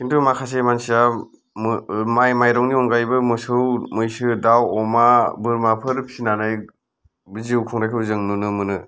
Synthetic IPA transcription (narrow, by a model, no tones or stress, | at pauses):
kʰintʰumakʰas̬emansija | mmajmajɾɔŋniɔŋɡajbɯmɯsɯwmɯjsɯdawɔmabɯɾmapʰɯɾpʰinanɯj | bɯziwkʰɔŋɾajkʰɯwzɯŋnunɯmɯnɯ